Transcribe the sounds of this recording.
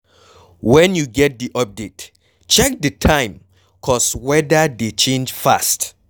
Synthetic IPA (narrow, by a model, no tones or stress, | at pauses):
wɛ̃njuɡɛt̚diʔɔp̚det | t͡ʃɛk̚dətʰãɪ̃m | kʰɔswɛdədet͡ʃẽnd͡ʒfa̰st